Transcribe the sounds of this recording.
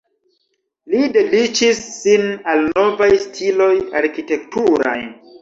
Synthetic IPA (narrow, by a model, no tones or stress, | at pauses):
lide̞dit͡ʃisːinalno̞vajstʰilo̞jaɾkite̞ktuɾa̰j